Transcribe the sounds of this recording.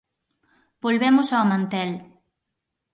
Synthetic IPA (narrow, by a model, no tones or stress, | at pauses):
bolβɛmʊsaomãnt̪ɛl